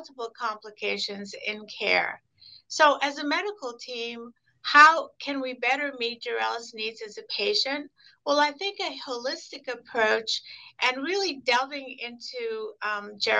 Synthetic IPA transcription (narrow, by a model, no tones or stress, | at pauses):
təpl̩ˠkʰɑ̃mpləkʰeɪʃɨ̃nzɪ̰̃nkʰɛ̰ɹ | soʊʔɨzɨmɛɾɨkl̩ˠtʰĩm | haʊkʰɨ̃nwibɛɾə˞mit̚d̥ʒ̥ɛɹɛlˠəsnidzɨzɨpʰeɪʃɨ̃nt̚ | wɛlˠaɪθɪ̃ŋkɨhoʊlɪstɨkɨpʰɹ̥oʊt͡ʃʔɨ̃nɹɪlˠidɛlˠtɪ̃ŋɪ̃ntʰʉ | d͡ʒɛ